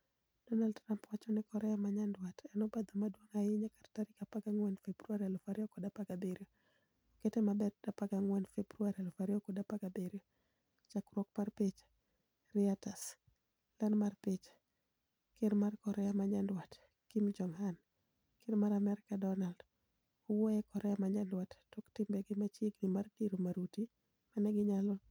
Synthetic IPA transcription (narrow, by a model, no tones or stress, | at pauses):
d̥ɔnaldɾampwat͡ʃɔnɪkɔɾɛjamaɲandwatɛnɔbad̪omadwoŋajɪɲakartaɾɪkapaɡaŋwɛnfebɾuaɾalofaɾiɔkɔdapaɡabeɾo | kɛtɛmabɛdd̥apaɡaŋwɛnfebɾuaɾalofaɾiɔkɔdapaɡabeɾo | t͡ʃakɾɔk̚parpɪt͡ʃ | riatas | lanmarpɪt͡ʃ | kɪnmarkɔɾɛamaɲandwat | kimd͡ʒɔŋhan | kɪnmaɾamɛɾɪkadɔnald | ɔwɔjɛkɔɾɛamaɲandwatːoktɪmbɛɡɪmat͡ʃɪɡnimardiɾomaɾuti | manɛɡɪɲalɔ